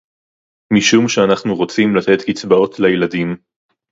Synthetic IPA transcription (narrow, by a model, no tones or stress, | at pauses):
miʃumʃeanaχnuʁot͡simlat̪et̪kit͡sbao̞t̪ʰlejeladim